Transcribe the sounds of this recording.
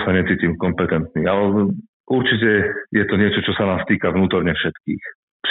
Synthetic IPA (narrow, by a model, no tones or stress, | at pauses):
saɲɛt͡siːcimkɔmpɛt̪ɛnt̪nialɛ | ʔuɾt͡ʃicɛjɛt̪ɔɲɪɛt͡ʃɔt͡ʃɔsanaːst̪iːkaʋnuːt̪ɔɾɲɛfʃɛt̪kḭːx | pʃ